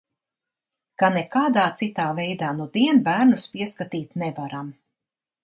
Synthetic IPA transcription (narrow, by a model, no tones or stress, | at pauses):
kanɛkaːd̪aːt̪sit̪aːvɛjd̪aːnud̪iɛnbæːɾnuspiɛskat̪iːt̪nɛvaɾam